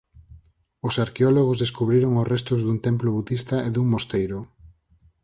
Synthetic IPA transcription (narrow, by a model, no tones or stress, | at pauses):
ʊsaɾkeɔloɣ̞ozðeskuβɾiɾoŋosrest̪ʊzðunt̪emploβut̪ist̪aeðuŋmost̪ejɾʊ